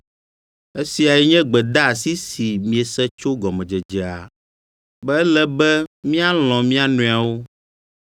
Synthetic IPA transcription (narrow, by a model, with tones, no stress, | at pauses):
e˦si˨a˨jɛ˦ɲɛ̃˦ɡ͡bɛ˨d̪a˦˨si˦si˨mĩ˨e˨sɛ˦t͡ʃo˦ɡɔ˨mɛ̃˨d͡ʒɛ˨d͡ʒɛ˨a˨ | bɛ˦ɛ˦lɛ˦bɛ˦mĩ˦a˦l̃ɔ̃˨mĩ˦a˦nũ˨a˨wo˦